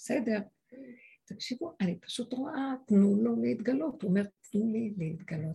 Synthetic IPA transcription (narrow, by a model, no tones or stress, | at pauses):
bese̞de̞ʁ | t̪akʃivuʔanipḁʃut̪ʁoʔatnulo̞leit̪ɡalo̞t̪ome̞ʁtnulilehit̪ɡalo̞t